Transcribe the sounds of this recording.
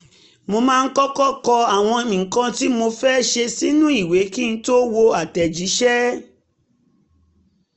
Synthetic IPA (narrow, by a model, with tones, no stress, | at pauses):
mo˧mãː˦˧˦kɔ˦kɔ˦˨kɔ˧a˨w̃ɔ̃˧e˧mĩ˨ŋ̩˨kã˧ti˦mo˧fɛː˦ʃe˧si˦nũ˦i˦˨we˨˦ki˦n̩˦to˦wo˧a˨tɛ˨d͡ʒi˨˦ʃɛ˦